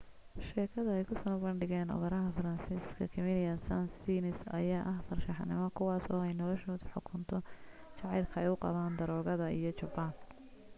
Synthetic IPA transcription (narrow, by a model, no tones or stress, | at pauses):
ʃɛːkʰɐðɐɛjkʰʊsɐnbɐɳɖɪɣɛːnɔ̰ɣɐɾɐɦɐfɐɾɐnsiːskʰɐkʰɪmɪlɪjɐnsɐnsiːnɪsɐ̰jaːʔɐhfɐrʃɑħnɪmɔkʰʊwɑːsɔ̰ːɛjnɔlɔʃɔːd̪ħʊkʰʊnt̪ʰɔt͡ʃɑʕɑjlkʰɐɛjʊqɑ̰βaːnd̪ɐɾɔːɣɐðɐijɞt͡ʃɐbaːn